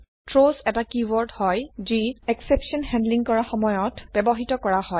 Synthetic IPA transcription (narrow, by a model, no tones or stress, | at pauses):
tɹozɛtakiwɔɹdhɔjziɛksepsiɔnhɛ̃ndliŋkɔɹaxɔmɔjɔtb̥ɛbɔɦitɔkɔɹahɔj